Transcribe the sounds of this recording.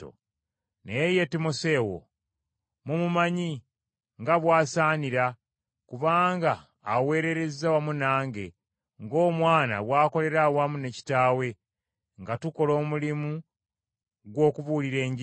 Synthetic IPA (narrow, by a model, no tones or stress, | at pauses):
o̰ | nejejetimose̞ːwo̰ | mumumaɲi | ŋɡaβwaːsaːniɾa | kuβaːŋɡaː | we̞ːɾe̞ɾe̞zawamunaːŋɡe̞ | ŋɡo̞ːmwaːna̰βwaːko̞le̞ɾawamune̞ci̥taːwe̞ | ŋɡatuko̞lo̞ːmulimu | ɡwo̞ːkuβuːliɾe̞ːɲɟi